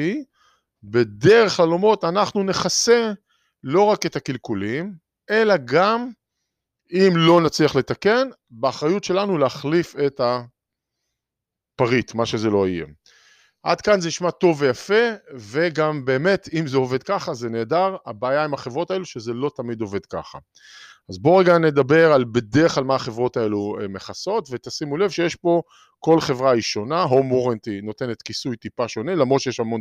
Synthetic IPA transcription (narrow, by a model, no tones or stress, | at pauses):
i | be̞d̪e̞ʁe̞χlalomo̞t̪anaχnune̞χase̞ | lo̞ʁake̞t̪akilkulim | e̞laɡam | imlo̞nat͡sliaχle̞t̪ake̞n | beːχʁajutʃe̞lanuleaχlife̞t̪a | paʁit̪maʃe̞ze̞lo̞ajḛ | ʔad̪kanzeniʃmato̞vejafe̞ve̞ɡambe̞ːme̞t̪imzeove̞dkaχazene̞ːdaʁabaːjaimaχevʁo̞tae̞luʃezelot̪amid̪o̞ve̞dka̰χa | azbo̞ʁeɡane̞d̪abe̞ʁalbe̞d̪eʁeχlalmaːχe̞vʁo̞t̪aeluemeχaso̞tve̞t̪asimule̞vʃejeʃpo̞ | ko̞lχe̞vʁaʁiʃo̞naɦomoʁent̪ino̞t̪e̞ne̞t̪kisujt̪ipaʃo̞ne̞lamʁo̞t̪ʃejeʃamon